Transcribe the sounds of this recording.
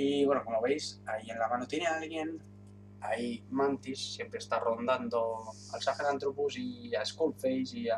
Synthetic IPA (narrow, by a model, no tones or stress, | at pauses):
iβwenokomoβejzaienlamanut̪ineaalɣjen | a̰imant̪isːjempɾeːst̪arond̪and̪o | a̰lsafenant̪ɾupuziaeskolfejzia